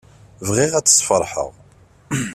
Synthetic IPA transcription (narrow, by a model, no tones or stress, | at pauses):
vʁiʁæt͡sːə̥sˤfəɾˤħə̰ʁ